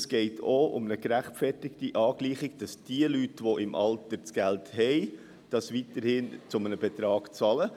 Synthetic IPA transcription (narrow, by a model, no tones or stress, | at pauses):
sɡ̥ɛɪtʰoʔʊ̰mnəkɾæχtfɛrtɪktiʔɑːɡliːχɪɡ̥d̥ɑsd̥iəlytʋoʔɪmʔɑltəɾt͡sɡ̥ælthɛɪ | d̥ɑsʋitəɾhɪnt͡sʊmənəbɛt̪ɾɑːɡ̥t͡sɑlə